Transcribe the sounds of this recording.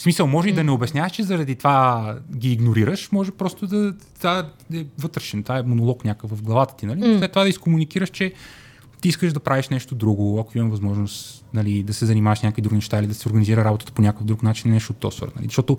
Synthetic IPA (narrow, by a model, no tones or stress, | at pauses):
smisəlˠmɔʒɛid̪ɐnɛobɛsnʲjavəʃt͡ʃɛzɐɾɐd̪it̪vaɡʲiːɡnoɾiɾəʃmɔʒɛpɾɔst̪ʊd̪ɐt̪va | ɛvɤt̪ɾɛʃɛnt̪aɛmonolˠɔknʲakəkvɐvɡlˠɐvat̪ə̥t̪inɐlinoslɛt̪ːovad̪ɐiskomunikiɾəʃt͡ʃɛ | t̪iiskəʒd̪ɐpɾʔaviʃnɛʃt̪od̪ɾuɡoɐkoimɐmɛvɐzmɔʒnost̪ | nɐlid̪ɐsɛzɐnimavɐʃnʲakvid̪ɾuɡinɛʃt̪ailid̪ɐsɛoɾɡɐniziɾəɾabot̪ə̥t̪ə̥ponʲakəfd̪ɾuknat͡ʃinnɛʃot̪ːɔ̰svə̰ɾnɐlizʃt̪ɔt̪o